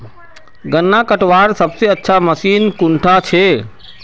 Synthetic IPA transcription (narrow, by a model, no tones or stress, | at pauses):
ɡənːakəʈʋaːɾsəbseətːʃʰaməsiːnkʊ̃ɳʈʰat͡ʃʰe